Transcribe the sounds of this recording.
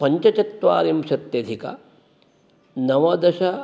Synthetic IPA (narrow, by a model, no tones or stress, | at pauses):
pɐɲt͡ʃɐt͡ʃɐt̪ʋaːɾimʃɐt̪jɐd̪ʱikɐ̰ | nɐʋɐd̪ɐʃɐ